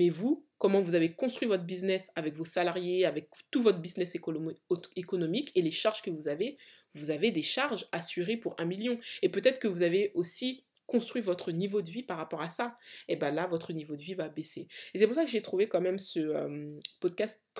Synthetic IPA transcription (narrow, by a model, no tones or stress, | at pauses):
mɛvukɔmɑ̃vuzavekɔ̃st̪χwɥivɔt̪χəbiznɛsavɛkvosalaʁjeavɛk̚t̪uvɔt̪χbiznɛs | ekɔnɔmikeleʃaʁʒ̥kəvuzave | vuzaved̪eʃaʁʒasyʁepuʁɛ̃miljɔ̃epøt̪ɛt̪χəkəvuzaveosi | kɔ̃st̪χɥivɔt̪χənivod̪əvipaʁapɔʁasaebɛ̃lavɔt̪χənivod̪əvivabeseesɛpuʁχsakəʒet̪χuvekɑ̃mɛmsəø̰mpɔd̪̚kʲast̪